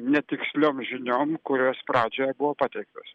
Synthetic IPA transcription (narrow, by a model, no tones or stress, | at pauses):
nʲɛt̪ʲɪksʲlʲoːmʒʲɪnʲoːmkʊɾʲoːspɾɑːd͡ʒʲoːjɛbʊʋoːpɑːt̪ʲɛɪk̚t̪oːs